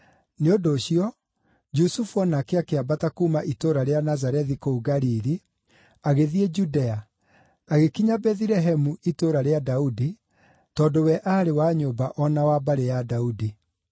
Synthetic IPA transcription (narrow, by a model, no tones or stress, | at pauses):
neodoːɕiɔ | d͡ʒusufuɔnakeakeabatakumaʔitoɾaɾeanazaɾɛðikouɡaɾiɾi | aɣeðied͡ʒudɛa | aɣekiɲabɛðiɾɛɦɛmuʔitoɾaɾeadaudi | tɔdowɛʔaːɾewaːɲobaʔɔnawaːbaɾejadaudi